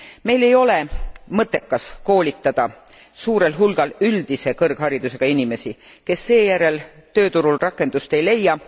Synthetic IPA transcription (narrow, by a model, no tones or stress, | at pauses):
me̞jle̞jo̞lemɤt̪ːˑe̞kːɑsko̞ːlʲit̪ːˑɑd̪̥ɑ | suːɾe̞lɦulɡ̥ɑlyld̪̥ise̞kɤrɡ̥hɑɾid̪̥use̞ɡ̥ɑinime̞sike̞sːe̞ːjæɾe̞lt̪ø̞ːt̪uɾulrɑkːˑe̞nd̪̥ust̪e̞jle̞jɑ